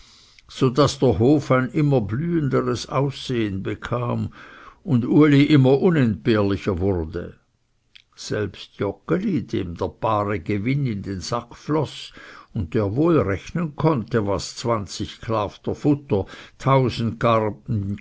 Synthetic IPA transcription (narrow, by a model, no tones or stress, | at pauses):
z̥odasd̥eːɐɦoːfaɪnʔɪmɐblyːəndəʁəsa̰ʊseːənbəkʰaːmʊnduəliʔɪmɐʔʊnɛnt̚b̥eːɐlɪçɐvʊʁdə̰ | z̥ɛlpstjɔkəlid̥eːmdeːɐb̥aːʁəɡevɪnɪndenz̥akflɔsʊnt̚d̥eːɐvoːlʁɛçnənkʰɔntəvast͡sv̥ant͡sɪçkʰlaːftɐfʊtɐtʰaʊzn̩tɡa